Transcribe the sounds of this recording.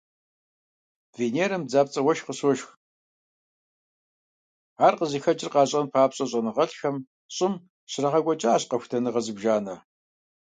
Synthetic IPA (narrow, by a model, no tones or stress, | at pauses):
veːneːɾɐmd͡zaːpt͡sʼɐwɐʃqəswɔʃx | aːrqəzixɐt͡ʃʼɪrqɑːɕʼɐnpʰaːpɕʼɐɕʼɐnɨʁɐɬxɐm | ɕʼɪm | ɕɪrɐʁɐɡʷɔt͡ʃʼaaːɕqɐxʷtʰɐnɨʁɐzɨbʒaːnɐ